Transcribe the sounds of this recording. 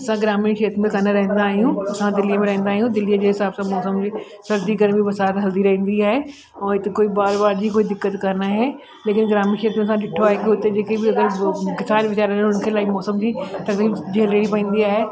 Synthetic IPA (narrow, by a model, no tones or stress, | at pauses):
ɐsãɡɾaːmɪnʃiːət̪mẽkɐnaɾɐɦə̃n̆d̪aːɦijũɐsãd̪ɪlijəmẽɾɐɦə̃nd̪aːɦijũd̪ɪliəd͡ʑeːɦɪsaːbsãmɔːsəmd͡ʑi | sɐɾd̪ikɐɾbɪbɐsaːt̪ɦɐld̪iɾɐɦĩːn̆d̪iaːɦe | ɛ̃ːɪt̪ekoːibaːɾbaːɾd͡ʑiːkoːid̪ɪkːət̪kɐɾnaːɦe | leːkɪnɡɾaːmɪ̃nʃiət̪mẽɐs̬ãɗɪʈʰoaːɦekiɦʊt̪ed͡ʑeːkebɪɐɡəɾkɪsaːnʋɪt͡ɕaːɾə̃ɦʊnkʰeːlaːɪmɔːsəmd͡ʑiːt̪ɐkd̪iːbd͡ʑeːleːɽipɐĩːn̆d̪iaːɦe